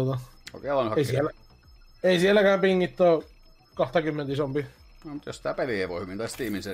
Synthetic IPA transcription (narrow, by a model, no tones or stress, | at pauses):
ot̪ɑ | oˑkeˑlɑnhɑeˑisielæ | eˑisiælːækæːmpiŋːit̪ːoː | kɑht̪ɑkymːent̪isompi | nomut̪josit̪æpeliheʋohyʋint̪ɑst̪iːminse